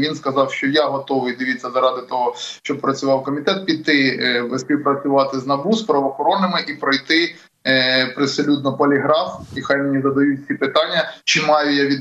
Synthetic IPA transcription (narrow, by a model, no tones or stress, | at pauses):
ʋʲinskɐzɑwʃt͡ʃɔjaɦɔt̪ɔʋɪjd̪ɪʋʲit͡sʲːɐzɐɾɑd̪ɪt̪ɔɦɔʃʃt͡ʃɔb̚pɾɐt͡sʲʊʋɑwkɔmʲit̪ɛt̪̚pʲit̪ːɪsʲpʲiwpɾɐt͡sʲʊʋɑt̪ɪznɐbuspɾɐʋɔxɔɾɔnːɪmɪʔipɾɔjt̪ɪ | pɾesɔlʲud̪nɔpɔlʲiɦɾɑfixajmenʲizɐd̪ɐjusʲipɪt̪ɑnʲːɐt͡ʃɪmɑjʊjaʋʲid̪